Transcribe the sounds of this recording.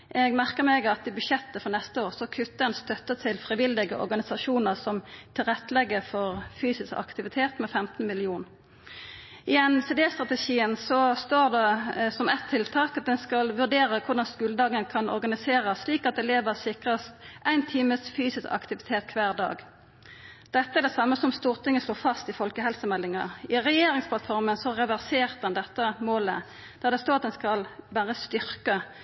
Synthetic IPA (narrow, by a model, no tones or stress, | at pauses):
ʔɛɡmæʁkəʁmɛɡɑt̪ɪbʉʃjɛt̪ːəfɔʁnɛst̪əoːʁsɔkʰʉt̪ːəɛnst̪œt̪ːət̪ʰɪlfʁɪʋɪld̪ɪɡəʔɔ̰ɾɡɑnɪsɑʃuːnəʁsɔmt̪ʰɪlʁɛt̪ːəlɛɡːəfɔʁfyːsɪskɑ̰kt̪ɪʋɪt̪ʰeːt̪mɛfɛmt̪n̩mɪlɪuːn | ʔɪɛnseːd̪eːst̪ʁɑt̪əʃiːənsɔst̪oːʁd̪ɛsɔmɛt̪ʰːɪlt̪ʰɑːkɑt̪̚d̪ɛnskɑlʋʉʁɖ̪eːʁəkʰʊʁɖɑnskʉːləd̪ɑːɡənəkʰɑnʔɔ̰ɾɡɑnɪseːʁəsliːkɑt̪̚d̪ɛleːʋəsɪkʁəst̪ʔæɪnt̪ʰiːməsfyːsɪskɑ̰kt̪ɪʋɪt̪ʰeːt̪̚kʰʋæːʁd̪ɑ̰ːɡ | d̪̥ɛt̪ːəæɖ̪ɛsɑmːəsɔmst̪uːʁt̪ʰɪŋːəsloːfɑst̪ɪfɔlkəɦɛlsəmɛlːɪŋɑɪʁɛjeːɾɪŋspʰlɑt̪fɔɾmənsɔʁɛʋæʁseːʁt̪̚d̪ɛnd̪ɛt̪ːəmoːlə | d̪̥ɑd̪ɛst̪oːʁɑt̪d̪ɛnskɑlbæːʁəst̪ʏʁkə